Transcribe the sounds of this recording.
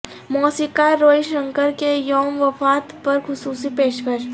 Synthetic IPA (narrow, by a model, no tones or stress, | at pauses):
mɔːsikaɾoːiʃə̃ŋkəɾkejɔːmʋɐfaːt̪pɐɾxʊsuːsipeːʃkəʃ